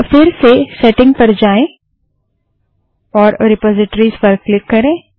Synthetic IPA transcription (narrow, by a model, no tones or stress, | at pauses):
fɪɾsesɛʈɪ̃ŋɡ̚pɐɾd͡ʒaːẽ | ɔːɾɾɪpɔːzɪʈɾizpɐɾkklɪkːɐɾẽː